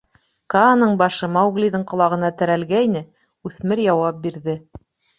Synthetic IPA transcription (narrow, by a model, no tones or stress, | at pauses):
kɑnɤɴbɑʃɤmɑwɡlʲiðɤɴqŏlˠɑʁɤ̆nɑt̪æ̆ɾælɡæjnɘ | ʉθmɘɾjɑwɑp̚biɾðɘ